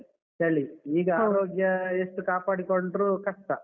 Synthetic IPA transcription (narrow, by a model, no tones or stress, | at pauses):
t͡ʃɐɭːiiːɡɐaːɾoːɡjɐesʈːukaːpaːɽikoɳɖɾukɐʂʈɐ